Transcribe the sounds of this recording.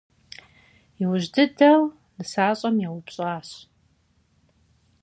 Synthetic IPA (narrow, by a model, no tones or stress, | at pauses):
iwʊʒdɨdɐw | nɨsaːɕʼɐmjawʊpɕʼaːɕ